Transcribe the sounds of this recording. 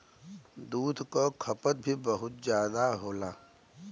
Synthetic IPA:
d̪uːd̪ʱkokʰəpət̪̚bʱibəɦʊt̪̚zjaːd̪aɦoːlaː

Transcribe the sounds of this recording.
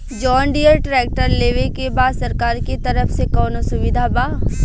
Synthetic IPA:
d͡ʒɔːnɖiəɾʈɾɛːk̚ʈəɾleːʋekebaːd̪sɐɾkaːɾkit̪ɐɾəfsekɔːnosʊʋɪd̪ʱabaː

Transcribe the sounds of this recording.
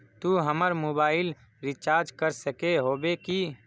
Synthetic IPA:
t̪uɦəməɾmoːbaːɪl | ɾɪt͡ʃaːɾd͡ʒkəɾsəkeɦoːbeki

